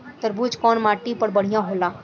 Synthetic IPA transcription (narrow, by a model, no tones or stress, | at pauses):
t̪ɐɾbuːt͡ʃkɔːnmaːʈipɐɽbɐɽ̤ijãɦoːlaː